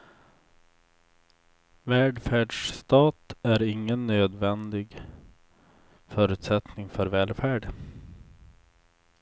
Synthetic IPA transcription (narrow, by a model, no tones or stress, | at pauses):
vɛːɖfæːɖʂst̪ɑːt̪æɾɪŋːənːøːd̪vɛnd̪ɪɡ | fœːɾʉ̟ːt̪sɛt̪nɪŋfœɾvɛːlfæːɖ